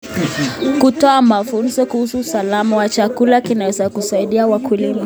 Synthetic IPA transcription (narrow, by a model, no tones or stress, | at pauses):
kutɔamafunzɔkuhusuːsalamawat͡ʃakulakinawɛzakusaiɗiawakʰulima